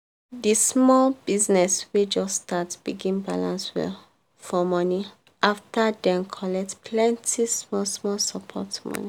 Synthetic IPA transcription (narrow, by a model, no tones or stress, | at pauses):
dismɔlbiznɛswed͡ʒɔstatsb̥iɡĩnba̰lã̰nswɛ̰ | fɔmɔni | ʔaftadɛ̃nkʰɔlɛk̚tpʰlɛ̃ntismɔsmɔlsɔpʰɔ̰tmɔ̰ni